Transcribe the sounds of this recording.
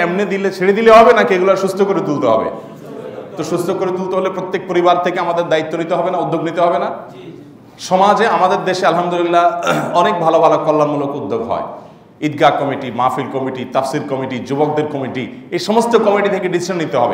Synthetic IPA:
emned̪ilet͡ɕʰeɽed̪ileɦɔbenakeɡulaɾʃust̪ʰokoɾet̪ult̪oɦɔ̰bḛ | t̪oʃust̪ʰokoɾet̪ult̪oɦolepɾot̪ːek̚poɾibaɾt̪ʰekeamad̪eɾd̪ait̪ːonit̪eɦɔbenaud̪ʱːoɡnit̪eɦɔbena | ʃɔmad͡ʑeamad̪eɾd̪eʃealɦamd̪ulilːaɔnek̚bʱalobʱalokɔlːamulokud̪ʱːoɡɦɔ̰e | id̪̚ɡakɔmiʈimafilkɔmiʈit̪afsilkɔmiʈid͡ʑubok̚d̪eɾkɔmiʈiejʃɔmost̪okɔmiʈit̪ʰekeɖisiʃanːit̪eɦɔbe

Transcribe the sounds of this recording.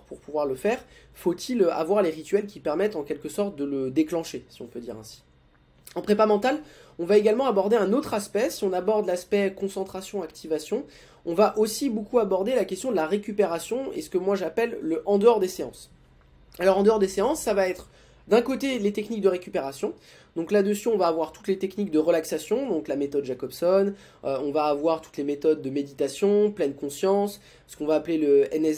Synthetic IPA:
puʁpuvwaʁləfɛːʁ | fot̪ʰila̰vwaʁleʁit̪ɥɛlkʲipɛʁmɛt̪ɑ̃kʲɛlkəsɔʁt̪̚d̪ələd̪eklɑ̃ʃesiɔ̃pød̪ḭʁɛ̰̃si̥ | ɑ̃pχepamɑ̃t̪alɔ̃vaeɡalmɑ̃abɔʁd̪eɛ̃not̪χaspɛsiɔ̃nabɔʁd̪laspɛkɔ̃sɑ̃t̪χasjɔ̃akt̪ʰivasjɔ̃ | ɔ̃vaʔosibokuabɔʁd̪elakʲɛst̪jɔ̃d̪əlaʁekʲypeʁasjɔ̃ḛsə̥kəmwaʒapɛlːəʔɑ̃d̪əɔʁd̪eseɑ̃s | alɔʁɑ̃d̪əɔʁd̪eseɑ̃sːavaɛt̪χ | d̪ɛ̃kot̪elet̪ɛknik̚d̪əʁekʲypeʁasjɔ̃ | d̪ɔ̃klad̪əsyɔ̃vaːvwaʁt̪u̥t̪let̪ɛknik̚d̪əʁəlaksasjɔ̃d̪ɔ̃klamet̪ɔd̪ʒakɔbsɔn | øɔ̃vaːvwaʁt̪u̥t̪lemet̪ɔd̪ːəmed̪it̪asjɔ̃plɛnkɔ̃sjɑ̃s | sə̥kɔ̃vaːpleləɛnɛ

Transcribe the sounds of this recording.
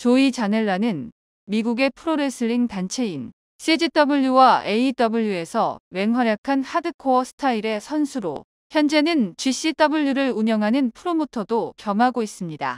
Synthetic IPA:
t͡ɕoit͡ɕaneɭːanɯn | miɡuɡe̞pʰɯɾoɾes͈ʰɯɾiŋtant͡ɕʰe̞in | s͈ʰid͡ʑit͈ʌbɯʎːuwae̞it͈ʌbɯʎːjue̞sʰʌwe̞ŋɦwaɾjakʰanhadɯkʰoʌsʰɯ̥tʰaiɾe̞sʰʌnsʰuɾo̰ | çjʌnd͡ʑe̞nɯnt͡ɕɥiɕ͈it͈ʌbɯʎːuɾɯɾuɲʌŋɦanɯnpʰɯɾomotʰʌdokjʌmɦaɡois͈ɯmɲida̰

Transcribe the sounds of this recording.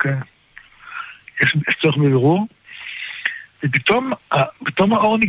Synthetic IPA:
ke | jeʃjeʃt͡soeχbebeʁuʁ | vep̬it̪omapit̪o̞maoʁni

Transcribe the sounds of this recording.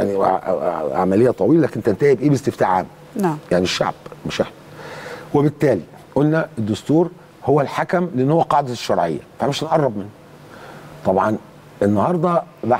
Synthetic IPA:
jaʕnḭ | a̰ʕmælejːæt̪ˤɑwiːlælæknt̪ænt̪æhibʔeːbest̪ɪft̪aːʕʕa̰ːm | jaʕniʃːa̰ʕb̥meʃeħnæwebet̪ːæːli | ʔolnæed̪ːʊst̪uːɾ | howːælħakæmleʔenːhowːæqɑːʕd̪æʃːɑɾˤʕḛjːæ̰fæmeʃnʔɑrˤːɑbmenː | t̪ˤɑbʕɑn | enːɑhɑɾˤd̪ˤɑba

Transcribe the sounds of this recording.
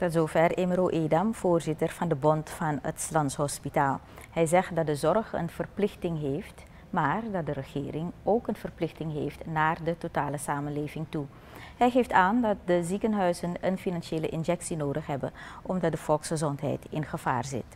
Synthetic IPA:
tɔtzoːvɛreməɾoʔeːdamv̥oːrzɪtərvɑndəbɔntfɑnətslɑntsɦɔspitaːlˠ | hɛjzɛχt̚dɑdəzɔrχə̰nv̥ərplɪxtɪŋɦeːft | maːrdɑt̚dəɾəχɪːrɪŋoːkənv̥ərplɪxtɪŋɦeːftnaːrdətotaːləsaːmənleːvɪŋtu | ɦɛjχeːftaːndɑt̚dəzikənɦœɥzənənfinɑnʃeːləʔɪnʒɛksinoːdəχɦɛbənɔmdɑt̚dəv̥ɔlˠksχəzɔntɦɛ̰jtɪnχəv̥a̰ːrzɪ̰t

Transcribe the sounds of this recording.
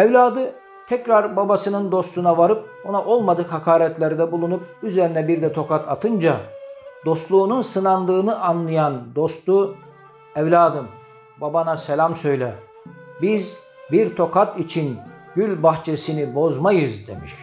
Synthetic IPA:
ɛvlʲaːd̪ɯ | t̪ʰɛcɾaɾbabasɯnɯnd̪o̞st̪unavaɾɯp̚ | o̞naʔo̞lˠmad̪ɯkhakʰaːɾɛt̪lʲeɾd̪ɛbulˠunup̚yze̞ɾinɛbiɾd̪ɛt̪ʰo̞kat̪ʰat̪ʰɯnd͡ʒad̪̥o̞st̪lˠuːnunsɯnand̪ɯːnɯʔanlˠɯjand̪o̞st̪u | ɛvlʲaːd̪ɯm | babanasɛlʲamsø̞jlʲɛ | biz | biɾt̪ʰo̞kat̪it͡ʃʰinɟylʲbaxt͡ʃʰesinibo̞zmajɯzd̪e̞̰mḭʃ

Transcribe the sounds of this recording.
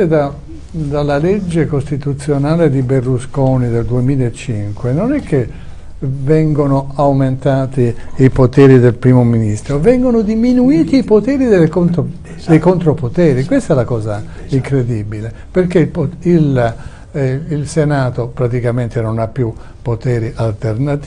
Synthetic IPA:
ed̪a | d̪alːaled͡ʒːekost̪it̪ut̪sːjonaːled̪iberluskoːnid̪eld̪uemiːlaet͡ʃːiŋkwenonɛkʰːe | vɛŋɡonoawment̪aːt̪iipot̪ɛːɾid̪elpɾiːmominist̪ɾovɛŋɡonod̪iminuiːt̪iːpot̪ɛːɾid̪elːkont̪ | d̪ejkont̪ɾopot̪ɛːɾikwest̪ɛlakɔːza | iŋkɾed̪iːbile | perkepoil | ilsenaːt̪opɾat̪ikament̪enonapːju | pːot̪ɛːɾiʔalt̪ernat̪

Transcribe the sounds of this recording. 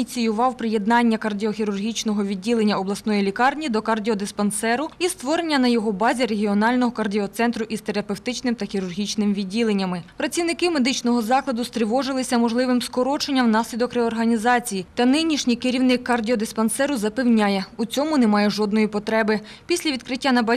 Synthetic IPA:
t͡sʲijʊʋɑwpɾɪje̞d̪nɑnʲːɐkɐrdʲiɔxʲiɾʊrɦʲit͡ʃnɔɦɔʋʲidʲːilˠe̞nʲːɐɔblˠɐsnɔjilʲikɑrnʲid̪ɔkɐrdʲiɔd̪ɪspɐnsɛɾʊist̪ʋɔɾenʲːɐnɐjɔɦɔbɑzʲiɾe̞ɦʲiɔnɑlʲnɔɦɔkɐrdʲiɔt̪sɛnt̪ɾʊʔist̪eɾɐpewt̪ɪt͡ʃnɪmt̪ɐxʲiɾʊrɦʲit͡ʃnɪmʋʲidʲːilˠe̞nʲːɐmɪpɾɐt̪t͡sʲiwnɪkɪme̞d̪ɪt͡ʃnɔɦɔzɑklˠɐd̪ʊst̪ɾɪʋɔʒɪlˠɪsʲɐmɔʒlˠɪʋɪmskɔɾɔt͡ʃenʲːɐwnɑsʲlʲid̪ɔkrɛɔrɦɐnʲizɑt͡sʲijit̪ɐnɪnʲiʃnʲijkɪɾʲiwnɪkːɐrdʲiɔd̪ɪspɐnsɛɾʊzɐpewnʲajɛut͡sʲɔmʊnemɑjɛʒɔd̪nɔjipɔt̪ɾɛbɪ | pʲisʲlʲɐʋʲid̪̚kɾɪtʲːanɐb

